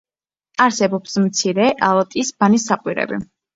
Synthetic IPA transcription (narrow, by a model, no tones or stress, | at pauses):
aɾsɛbɔpsmt̪sʰiɾɛʔalˠat̪ʼisb̥anisːaqʼwiɾɛ̰bḭ